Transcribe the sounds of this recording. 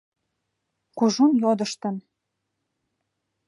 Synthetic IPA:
kuʒunjod̪ə̆ʃt̪ə̆n

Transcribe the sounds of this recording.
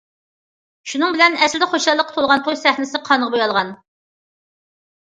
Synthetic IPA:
ʃunɨŋbɪlɛnɛslɪd̪ɛχoʃɑlˠːəqːt̪ʰolˠʁɑnt̪ʰojsɛχnɪsɪqʰɑnəʁɑbojɑlˠʁɑn

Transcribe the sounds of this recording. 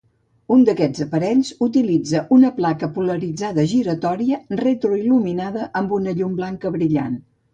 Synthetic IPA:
und̪əkɛd͡zəpəɾɛʎzut̪ilid͡zəʔunəplakəpuləɾid͡zaðəʒiɾət̪ɔɾiəret̪ɾuiluminaðəʔəmbunəʎumblaŋkəβɾiʎa̰n

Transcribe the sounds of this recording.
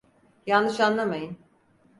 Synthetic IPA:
janːɯʃanlˠamajɯn

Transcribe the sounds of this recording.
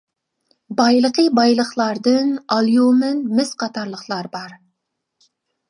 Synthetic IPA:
bɑjlˠəqʰəbɑjlˠəχlˠɑɾd̪ɨnɑlˠjumɪnmɪzqʰɑt̪ʰɑɾlˠəχlˠɑɾbɑɾ

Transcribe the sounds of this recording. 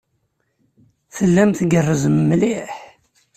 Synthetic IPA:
θəlːæmθɡərˤːəzəmːliħ

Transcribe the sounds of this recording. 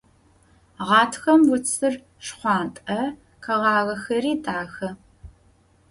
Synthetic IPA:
ʁɑːtʰxɐmwʊt͡sʰɨr | ʂχʷɑːntʼɐ | qɐʁɑːʁɐxɐriːtʼaːxɐ

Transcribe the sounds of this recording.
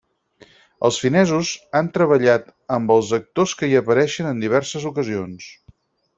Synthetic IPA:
ə̰lˠsfinɛzuzant̪ɾəβəʎat̪əmbəlˠzək̚t̪oskəiəpəɾɛʃənənd̪iβɛrsəzukəzions

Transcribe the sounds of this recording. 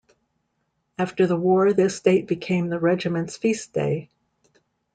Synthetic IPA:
æftə˞ðəwɔɹðɪsteɪt̚b̥ɨkʰẽɪ̃mðɨɹɛd͡ʒɨmɨ̃ntsfisd̥ḛɪ

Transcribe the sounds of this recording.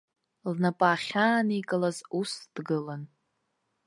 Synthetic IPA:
lnapʼaːχʲaːnikʼalazusd̥ɡɨlan

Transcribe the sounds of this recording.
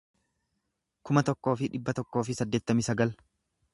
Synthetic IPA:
kʊmɐt̪ɔkːo̞ːfɪᶑɪbːɐt̪ɔkːo̞ːfɪsɐd̪ːe̞ːt̪ːɐmɪsɐɡɐl

